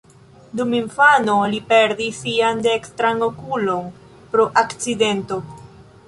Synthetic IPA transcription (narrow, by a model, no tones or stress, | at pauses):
duminfano̞lipe̞ɾdisiandekstɾaŋo̞kulo̞n | pɾo̞ʔakt͡side̞nto̞